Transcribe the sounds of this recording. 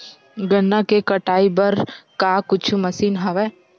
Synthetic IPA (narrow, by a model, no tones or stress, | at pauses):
ɡɐnːakekɐʈaːibɐɾkakʊt͡ʃʰumɐsiːnɦaʋɛː